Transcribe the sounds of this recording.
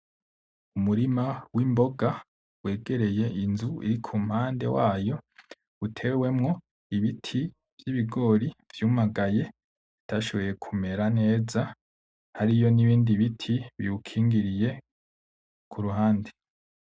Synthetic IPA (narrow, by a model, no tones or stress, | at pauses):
umuɾimawimbo̞ɡa | we̞ːɡe̞ɾe̞je̞ʔinzuḭɾikʰumhaːnde̞̰waːjo̞ | utʰe̞we̞mŋo̞ | iβitʰi | vjiβiɡo̞ːɾiv̥juːmaɡaje̞ | itaʃo̞βo̞je̞kʰume̞ɾane̞ːza | haɾijo̞niβiːndiβitʰiβḭukʰiːŋɡiɾije̞ | kʰuɾuɦaːnde